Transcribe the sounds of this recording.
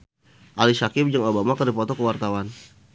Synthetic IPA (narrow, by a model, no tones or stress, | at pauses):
ʔalisakɪm̚d͡ʒaŋobamakərdipɔt̪ɔkəwart̪awan